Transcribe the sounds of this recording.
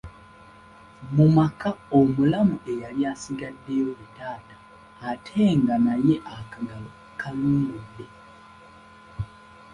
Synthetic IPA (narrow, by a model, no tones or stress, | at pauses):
mumakaomulamuʔe̞jaljaːsiɡadːejoβitaːtaː | tʰeːŋɡanaje̞ʔakaɡalo | kʰanuːɡodːe